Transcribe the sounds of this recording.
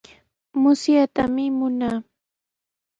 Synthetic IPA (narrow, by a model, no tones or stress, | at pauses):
mʊsjat̪amɪmʊnaː